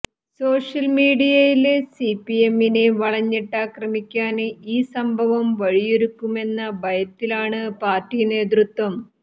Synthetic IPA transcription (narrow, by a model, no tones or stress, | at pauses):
so̞ːʂjɐlmiːɽijɐjilesipːiemːineʋɐɭɐɲːiʈːaːkrɐmikʲːaːniːsɐmbʱɐʋɐmʋɐɻijoɾukːume̞nːɐbɐjɐt̪ːilaːɳɨpaːrtːine̞ːd̪̬rut̪wɐm